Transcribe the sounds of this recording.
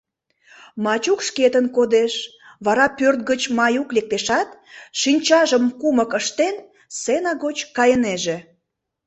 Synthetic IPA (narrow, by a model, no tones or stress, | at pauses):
mɑt͡ɕukʃket̪ənkod̪eʃ | βɑɾɑpørt̪̚ɡət͡ɕmɑjuklek̚t̪eʃɑt̪ʃinʲt͡ɕɑʒəmkuməkəʃt̪en | senɑɣot͡ɕkɑjəneʒe